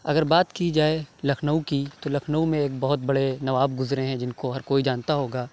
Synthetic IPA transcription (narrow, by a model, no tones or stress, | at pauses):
ɐɡəɾbaːt̪kid͡ʒaːelɐkʰnəukit̪olɐkʰnəumẽeːk̚bɐɦʊt̪̚bɐɽenɐʋaːb̚ɡʊzɾeɦɛ̃d͡ʒɪnkoɦɐɾkoːid͡ʒaːnt̪aɦoːɡaː